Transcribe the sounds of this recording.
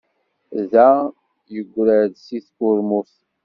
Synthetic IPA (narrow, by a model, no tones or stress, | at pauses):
ðæ | jəɡʷːɾəðsiθkʊɾmʊθ